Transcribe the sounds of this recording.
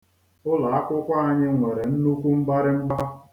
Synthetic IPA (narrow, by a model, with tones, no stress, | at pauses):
ʊ˦la˨a˦kʷʊ˦kʷa˦a˦ɲɪ˦ŋʷe˨ɾe˨n̩˦nu˦kʷu˦ŋ͡m̩˦ɡ͡ba˦ɾɪ˦ŋ͡m̩˦ɡ͡ba˦